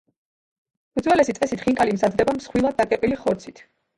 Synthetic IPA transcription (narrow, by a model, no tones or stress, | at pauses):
ud̪zwɛlɛsit̪sʼɛsit̪χiŋkʼalimzad̪d̪ɛbamsχwilˠad̪̚ːakʼɛpʼiliχɔɾt̪sʰit̪ʰ